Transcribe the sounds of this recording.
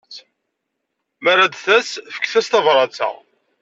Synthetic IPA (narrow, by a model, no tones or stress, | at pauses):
mæɾæd̪θæsfə̥kːθæst̪ɑvɾˤɑt͡sæ̰